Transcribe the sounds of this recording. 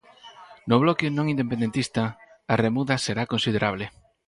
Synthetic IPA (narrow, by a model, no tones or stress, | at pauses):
noβ̞lɔkɪnõŋind̪epend̪ent̪ist̪ɐ | aremuðɐseɾakonsið̞eɾaβlɪ